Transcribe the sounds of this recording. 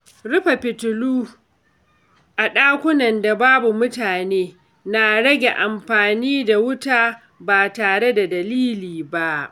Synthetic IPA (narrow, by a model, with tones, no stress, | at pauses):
ɽʊ˦ɸa˨ɸɪ˨tʊ˨luː˦ | ʔa˨ɗaː˦kʷʊ˦nɐ˨nda˨baː˦bu˨mʊ˦taː˨neː˦ | na˨ɽɐ˦ɡʲe˨ʔa˨mɸaː˨niː˦da˨wʊ˦taː˦ | baː˨taː˨ɽe˦da˨dɐ˨liː˦liː˨ba˦ʔ